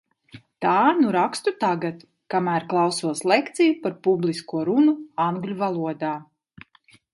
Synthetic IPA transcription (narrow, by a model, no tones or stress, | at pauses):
t̪aːnuɾakst̪ut̪aɡat̪ | kamæːɾklˠɑwsuɔslˠekt̪sijupaɾpublˠiskuɔɾunuaŋɡlʲuvalˠuɔd̪aː